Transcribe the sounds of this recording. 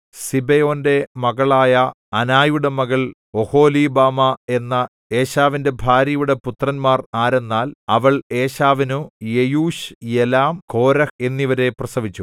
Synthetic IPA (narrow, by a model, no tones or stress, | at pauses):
sibejo̞ːnde̞mɐɣɐɭaːjɐ | ɐnaːjuɽemɐɣɐɭ | o̞ho̞ːlibaːmɐe̞nːɐ | e̞ːɕaːʋinde̞bʱaːɾjɐjuɽe̞put̪rɐnmaːraːɾe̞nːaːlɐʋɐɭe̞ːɕaːʋinujejuːɕjelaːmko̞ːɾɐe̞nːiʋɐɾe̞prɐsɐʋit͡ɕːu